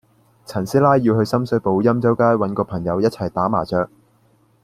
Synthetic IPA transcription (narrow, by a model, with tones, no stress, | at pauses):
t͡sʰɐ˨˩nsiː˥laː˥jːiː˧whɵ˧ɥsɐ˥msɵ˧ɥpo˨˧wjɐ˥mt͡sɐ˥wkaː˥jwɐ˨˥nkɔː˧pʰɐ˨˩ŋjɐ˨˧wjɐ˥t̚t͡sʰɐ˨˩jt̪aː˨˥ma̰ː˨˩t͡ʃœː˨˧k̚